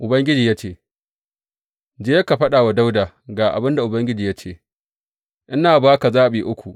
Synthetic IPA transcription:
ʔʊ˨bɐ˦ŋɡʲɪ˦d͡ʒiː˨ja˦t͡ʃeː˦˨ | d͡ʒeː˦jɐ˦ka˨ɸɐ˦ɗaː˨wa˨da˦wdaː˨ | ɡaː˨ʔa̰˨bɪ˦nda˨ʔʊ˨bɐ˦ŋɡʲɪ˦d͡ʒiː˨ja˦t͡ʃeː˦ | ʔɪ˦naː˨baː˦ka˨zaː˦ɓiː˨ʔʊ˦kʷu˨ʔ

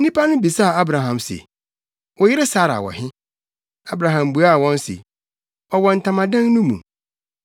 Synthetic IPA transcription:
n̩˦nĩ˦pʰa˦nʊ̃˦bi˨sa˦˨a˦bɾã˨ɦã˨msḛ˨ | wɔ˨jɪ˦ɾɪ˦sa˦ɾa̰˨wɔ̰˨hɪ̃˦ | a˦bɾã˨ɦã˨mbu˨a˦˨wɔ̃˦nsḛ˨ | ɔ˨wɔ˨n̩˨tʰã˨mã˨dã˦ŋnʊ̃˦mṵ̃˨

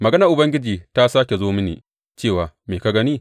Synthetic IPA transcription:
mɐ˨ɡɐ˦nɐ˨ʔʊ˨bɐ˦ŋɡʲɪ˦d͡ʒiː˨ta˦sa˦kʲe˨zoː˦mɪ˦nḭː˨ | t͡ʃeː˦˨waː˨meː˨ka˦ɡɐ˦niː˦˨

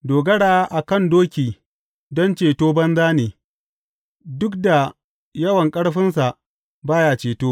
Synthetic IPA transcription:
doː˨ɡɐ˦ɽaː˦ʔa˨kɐ˦˨ndoː˦kʲiː˨ | dɔ˦nt͡ʃeː˨toː˦bɐ˦nzaː˦neː˨ | dʊ˦kda˨ | jɐ˦wɐ˨ŋkʼɐ˦ɽɸɪ˦ns̬a˨ʔ | baː˦jaː˨t͡ʃeː˨toː˦

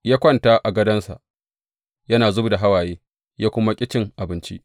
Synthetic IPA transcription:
jaː˦kʷɐ˦˨nta˦ʔa˨ɡɐ˦dɐ˦nsa̰˨ʔ | jɐ˦naː˨zʊ˦bu˨da˨ɦa˦waː˨jeː˦ | jaː˦kʷʊ˦ma˦kʲʼɪ˦t͡ʃɪ˦ŋʔa˨bɪ˦nt͡ʃḭ˦ʔ

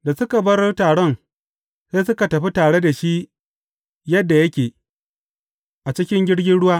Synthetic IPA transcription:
da˨sʊ˦ka˨bɐ˦rtaː˨ɽɔ˦n | seː˦sʊ˦ka˨tɐ˨ɸi˦taː˨ɽe˦da˨ʃi˦ | jɐ˦dːa˨jɐ˦kʲeː˨ | ʔa˨t͡ʃɪ˦kʲɪ˦ŋɡʲɪ˦ɽɡʲɪ˦nɽʊ˦waː˦

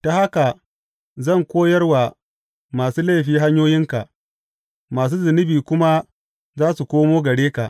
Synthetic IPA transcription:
ta˨ha˦ka˨ | zɐ˦˨ŋkʷoː˦jɐ˦rwa˨ | maː˨suː˦la˦˨ɸiː˦ɦa˦ɲjoː˦jɪ˦ŋka˨ʔ | maː˨s̬uː˦zɪ˨nɪ˦biː˨kʷʊ˦ma˦ | zaː˦su˨kʷoː˦moː˦ɡɐ˨ɽeː˦ka̰˨ʔ

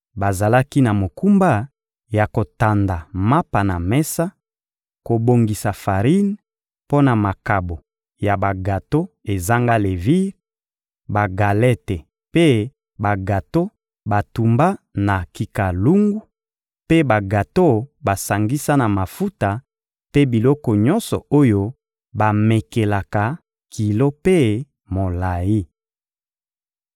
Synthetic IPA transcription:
ba˨za˨la˦ki˦na˨mo˨ku˦mba˦ | ja˨ko˨ta˨nda˨ma˦pa˨na˨mɛ˦sa˦ | ko˨bo˨ŋɡi˨sa˨fa˨ʁi˦n | po˦na˨ma˨ka˨bo˨ | ja˨ba˨ɡa˨to˦e˨za˦ŋɡa˦le˨vi˦ʁ | ba˨ɡa˨lɛ˦te˨ | pe˦ | ba˨ɡa˨to˦ | ba˨tu˨mba˦na˨ki˨ka˨lu˦ŋɡu˦ | pe˦ba˨ɡa˨to˦ba˨sa˨ŋɡi˦sa˦na˨ma˨fu˦ta˨ | pe˦bi˨lɔ˦kɔ˨ɲɔ˦nsɔ̰˨o˦jo˦ | ba˨me˨ke˨la˨ka˨ | kʰi˨lo˦pe˦ | mo˨la˨ji˦

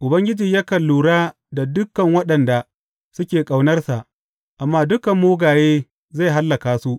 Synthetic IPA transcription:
ʔʊ˨bɐ˦ŋɡʲɪ˦d͡ʒiː˨ɲjaː˦kɐ˨lːuː˨ɽaː˦ | da˨dʊ˦kːɐ˨ŋwɐ˦ɗɐ˨nda˨ | sʊ˦kʲeː˨kʼa˨wnɐ˦rsa˨ʔ | ʔa˨mːaː˦dʊ˦kɐ˨mːoː˦ɡaː˨jeː˦ | za˦˨jɦa˦lːɐ˨kaː˨su˦ʔ

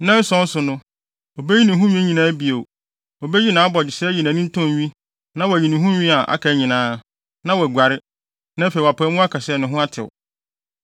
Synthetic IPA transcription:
nã˦sɔ̃˦n̩˦sʊ˨nʊ̃˦ | o˨be˦ɲĩ˦nĩ˨ɦũ˦ɲĩ˦ɲĩ˨nãː˨˦bi˨o˨ | o˨be˦ji˦nãː˨˦bɔ˨d͡ʑɪ˨sɛ˦ji˨nã˨nɪ̃˦n̩˦tʰɔ̃˦˨ɲᶣĩ˦ | nã˦wɔ˨æ˨ɲi˨nĩ˨ɦũ˦ɲᶣĩ˦a˨ʔa̰˨kʰa˨˦ɲĩ˨nãː˨˦ | nã˦wɔ˨ɡʷa˨ɾɪ˦ | nã˦fe˨wa˨pʰɛ˦mũ˦a˦kʰa˨sɛ˦˨nʊ̃˨ɦʊ̃˦a˦tʰɪ̰˨wʊ̰˨

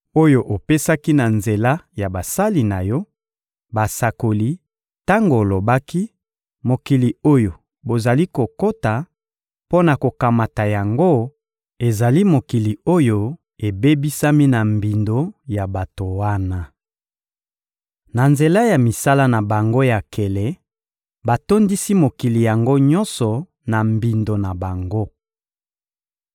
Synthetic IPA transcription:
o˦jo˦ʔo˨pe˦sa˦ki˦na˨nze˨la˦ja˨ba˨sa˦li˨na˨jɔ˦ | ba˨sa˨ko˨li˦ | ta˦ŋɡo˨lo˨ba˦ki˦ | mo˨ki˨li˨o˦jo˨ | bo˨za˨li˦ko˨ko˦ta˨ | po˦na˨ko˨ka˨ma˨ta˨ja˨ŋɡo˦ | e˨za˨li˦mo˨ki˨li˨o˦jo˦ | e˨be˦bi˦sa˦mi˦na˨mbi˨ndo˦ja˨ba˨to˨wa˦na˦ | na˨nze˨la˦ja˨mi˨sa˦la˦na˨ba˨ŋɡo˦ja˨kʰe˨le˨ | ba˨to˦ndi˦si˦mo˨ki˨li˨ja˨ŋɡo˦ɲɔ˦nsɔ˨ | na˨mbi˨ndo˨na˨ba˨ŋɡo˦

